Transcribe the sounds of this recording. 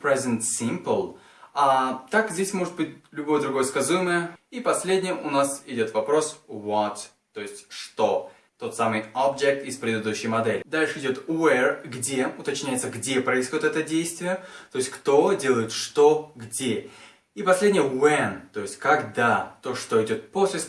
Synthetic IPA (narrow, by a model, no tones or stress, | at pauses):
pɾɛzʲənt̪sʲimpəlˠ | at̪akzʲdʲesʲmo̞ʐɨt̪̚bɨt̚ʲlʲʊbo̞jəd̪ɾʊɡo̞jəskɐzujɪməjəipɐsʲlʲedʲnʲɪjəʔʊnasɪdʲo̞t̪vɐpɾo̞svot̪ | t̪ːo̞ɪsʲtʲʂt̪o̞ | t̪o̞t̪samɨjobd͡ʒek̚t̪ɪspɾʲɪd̪ɨd̪uɕːɪjmɐd̪ɛlʲɪd̪alʲʂɨɪdʲo̞t̪vɛrɡdʲe̞ʊt̪ɐt͡ɕnʲæjɪt̪səɡdʲepɾəɪzsxodʲɪt̪ɛt̪ədʲejst̪vʲɪjət̪o̞jɪsʲtʲkt̪o̞dʲe̞lˠəjɪt̪ʂt̪o̞ɡdʲe | ipɐsʲlʲedʲnʲɪjəvɛnt̪o̞jɪsʲtʲkɐɡd̪at̪o̞ʂt̪o̞ɪdʲo̞t̪̚po̞sʲlʲɪ